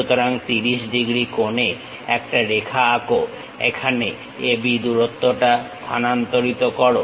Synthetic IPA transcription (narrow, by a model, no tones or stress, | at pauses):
ut̪oɾaŋt̪iɾiʃɖiɡɾikone | ɛk̚ʈaɾekʰaako | ḛkʰane | ebid̪uɾot̪ːoʈat̪ʰanant̪oɾit̪okɔɾo